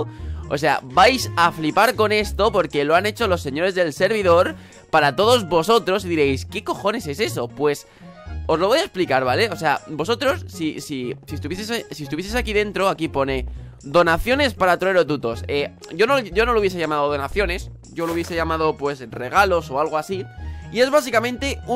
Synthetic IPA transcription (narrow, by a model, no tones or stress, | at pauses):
o̰s̬e̞a̰bajsaflipaɾko̞ne̞st̪o̞po̞ɾke̞lo̞ane̞t͡ʃo̞lo̞sːe̞ɲo̞ɾe̞zðe̞lse̞ɾβ̞iðo̞ɾ | paɾat̪o̞ð̞o̞zβo̞so̞t̪ɾo̞siðiɾe̞jske̞ko̞xo̞ne̞se̞se̞so̞pwe̞s | o̞zloβo̞jaesplikaɾβ̞ale̞o̞s̬e̞a̰bo̞s̬o̞t̪ɾo̞sːisisiest̪uβjesessiest̪uβjs̬esakiðe̞nt̪ɾo̞akipo̞ne̞ | d̪o̞naθjo̞ne̞spaɾat̪ɾoeɾot̪̬ut̪o̞se | ʝo̞noʝo̞no̞louβje̞se̞ʝamaðoðo̞naθjo̞ne̞s | ʝo̞louβje̞se̞ʝamað̞opwe̞sre̞ɣ̞alo̞so̞alɣ̞oasiie̞zβasikamẽnt̪e̞u